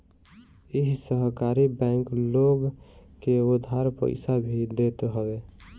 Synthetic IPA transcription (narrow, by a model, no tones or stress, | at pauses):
iɦsəɦkaɾibɛŋkloɡkeʊd̪ʱaɾpə̰ɪsabʱid̪et̪ɦəbe